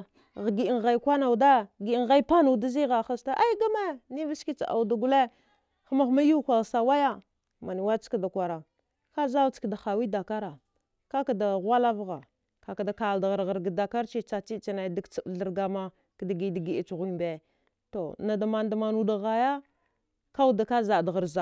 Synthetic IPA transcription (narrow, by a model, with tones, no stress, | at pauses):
ɣɡi˦˨ŋɣa˨i˦kʷa˦na˨u˨da˦ɡi˨˦˨ŋ˨ɣa˦i˦pa˦nu˨da˦zi˦ɣa˨xa˦sta˦ʔa˦i˦ɡa˦ma˦ni˦vi˦ski˦t͡sa˨a̰˨wda˨ɡu˦le˦ | xa˦ma˦xma˦ju˦kʷa˨ɣsa˨wa˦ja˦ | ma˨ni˨wa˦t͡ʃka˦da˨kʷa˨ɾa˨ | ka˦za˦vt͡skda˨xa˨wi˦da˨ka˦ɾa˨ | ka˦ka˨da˨ɣʷa˦la˦vɣa˨ | ka˨ka˨da˨ka˨lda˨ɣa˨ɾɣa˨ɾɡa˨da˨ka˦ɾt͡ʃi˦t͡ʃa˨t͡ʃi˦t͡ʃa˨na˨da˦˨ɡt͡si˨bɮə˨ɾɡa˨ma˦ | kda˨ɡi˨da˨ɡi˨i˨t͡ʃɣi˦mbe˨ | to˨na˨da˨ma˨nda˨ma˨nu˦da˨ɣa˨ja˦ | ka˦wu˦da˨ka˦za˨da˨ɣa˨ɾza˨